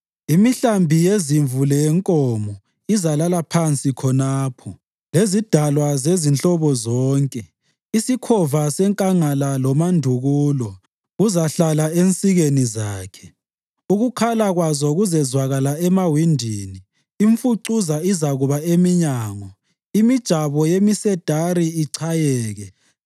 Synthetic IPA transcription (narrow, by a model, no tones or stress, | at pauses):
imiɬambʱijeziɱvulɛjɛŋkʼɔmɔ | izalalapʰant͡sʼikʰɔnaːpʰɔ | lezid̥ʱalwazezint͡ɬɔβɔzɔːŋkʼɛ | isikʰɔvasɛŋkʼaŋalalɔmandʱuɣuːlɔ | ɣuzaɬalaent͡sʼiɣenizaːkʰɛ̥ | uɣukʰalaɣwazɔɣuzɛzwaɣalaɛmawindʱini | iɱfuǀuzaizaɣuβaemiɲaːŋɔ | imid̥ʒ̥ʱaβɔjemisɛd̥ʱaɾiiǀʰajɛːɣɛ